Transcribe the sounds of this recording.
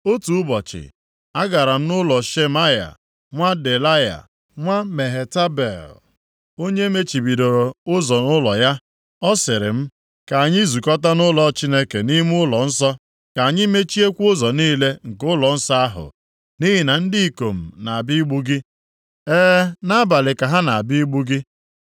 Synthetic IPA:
o˦tu˨ʊ˦bɔ˨t͡ʃɪ̰˨ | a˦ɡa˨ɾa˨m̩˦nʊ˦lɔ˨ʃe˦ma˦ja̰˨ | ŋʷa˦de˨la˦ja̰˨ | ŋʷa˦me˨ɦe˨ta˦bḛ˨l | o˦ɲe˦me˦t͡ʃi˨bi˨do˨ɾo˨ʊ˦zɔ˨nʊ˦lɔ˨ja˦ | ɔ˦sɪ˨ɾɪ̰˨m̩˦ | ka˨a˨ɲɪ˦zu˨kɔ˦ta˦nʊ˦lɔ˨˦t͡ʃi˦ne˦ke˨ni˦m˦ʊ˦lɔ˨n̩˦sɔ˦ | ka˨a˨ɲɪ˦me˦t͡ʃi˦e˦kʷʊ˦zɔ˨niː˦le˦ŋ̩˨kʊ˦lɔ˨n̩˦sɔ˦a˦ɦʊ̰˨ | ni˦ɦi˨na˨n̩˦dɪ˦i˦ko˨m̩˨na˨a˨bi˦i˦ɡ͡bu˦ɡi˦ | ɛː˦na˦ba˨lɪ˨ka˨ɦa˦na˨a˨bi˦i˦ɡ͡bu˦ɡi˦

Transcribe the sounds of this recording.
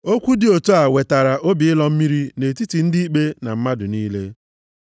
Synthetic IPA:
o˦kʷu˦dɪ˨o˨to˦a˨we˨ta˨ɾa˨ʔo˦bi˨ɪ˦lɔ˦m̩˦mi˦ɾi˦ne˨ti˦ti˨n̩˦dɪ˦i˦k͡pe˦na˨m̩˦ma˦dʊ˨niː˦le˦

